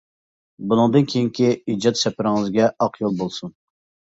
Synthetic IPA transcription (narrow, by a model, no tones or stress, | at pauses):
bunɨŋd̪ɨnkʲʰejiŋkʲiid͡ʒɑt̪sɛpɪɾɪŋɨzɡʲɛɑqʰjolˠbolˠsun